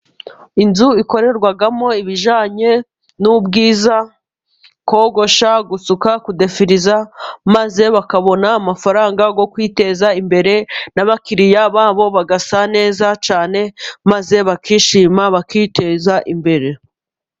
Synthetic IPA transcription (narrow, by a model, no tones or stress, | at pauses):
inzuiko̞ɾe̞ɾɡwaɡamo̞iβiʒaːɲe̞ | nubɡiːza | ko̞ːɡo̞ʃaɡusukakude̞fiɾizamaze̞βakaβo̞naːmafaɾaːŋɡaɡo̞kwiːte̞zaimbe̞ɾe̞naβakiɾijaβaːβo̞βaɡasane̞ːzat͡ʃaːne̞maze̞βakiːʃiːmaβakite̞zaʔimbe̞ɾe̞